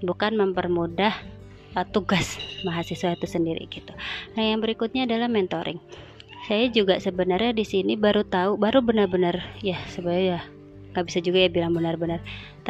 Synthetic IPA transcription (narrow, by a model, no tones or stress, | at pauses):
bukanməmpərmudah | ʔət̪uɡasmaɦasiswat̪usəndiɾḭɡit̪unajaŋbəɾikut̪̚ɲaːdalahmɛnt̪oɾʔɪ̰ŋ | sajad͡ʒuɡasəbənarɲadisinibaɾut̪aubaɾubənərbənərjasəbaja | ŋɡabisad͡ʒuɡajabilaŋbənərbənərt̪